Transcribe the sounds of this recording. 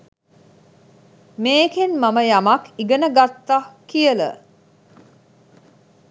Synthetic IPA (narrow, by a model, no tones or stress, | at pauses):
meːkenmaməjamakiɡənəɡat̪ːakiələ̰